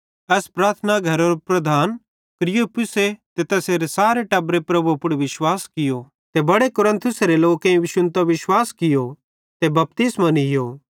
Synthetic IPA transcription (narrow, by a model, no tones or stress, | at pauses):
ɛːspɾaːɾt̪ʰənaɡʱɐɾoɾopɾɐd̪ʱaːn | kɾɪjupʊset̪et̪ɛseɾesaːɾeʈɐbɾepɾɐbuɐpʊɽʋɪʃwaːskɪjo | t̪ebɐɽekʊɾə̃nt̪ʰʊseɾeloːkẽĩʋɪʃʊ̃nt̪aʋɪʃwaːskɪjo | t̪ebɐp̚t̪ɪsmɐ̃nɦɪjoː